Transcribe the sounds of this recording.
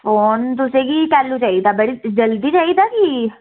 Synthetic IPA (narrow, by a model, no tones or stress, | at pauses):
fʰoːnt̪̬ʊsẽːkiːkɛːluːt͡ʃaːid̪aːbəɽid͡ʒəld̪iːt͡ʃaːid̪aːki